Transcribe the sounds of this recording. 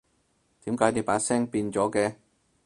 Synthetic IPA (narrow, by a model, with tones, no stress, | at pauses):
t̪iː˨˥mkaː˨˥jne˨˧˥wpaː˨˥sɛː˥ŋpiː˧nt͡sɔː˨˥kɛː˧